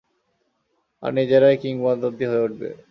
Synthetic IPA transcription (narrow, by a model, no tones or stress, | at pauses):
a̰ɾnid͡ʑeɾajkiŋwand̪od̪iɦoeoʈ̚bḛ